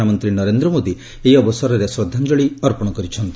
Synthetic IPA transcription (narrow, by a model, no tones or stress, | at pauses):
amɔnt̪ɾinɔɾend̪ɾɔmod̪i | eɦiɔbɔsɔɾɔɾesɾɔd̪ʱand͡ʒɔɭiɔɾpɔɽ̃ɔkɔɾit͡ʃʰɔnt̪i